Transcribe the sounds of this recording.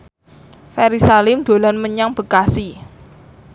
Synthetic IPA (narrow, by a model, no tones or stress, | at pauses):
fɛɾisalɪmd̪̥o̤lanməɲaŋb̥ə̤kasi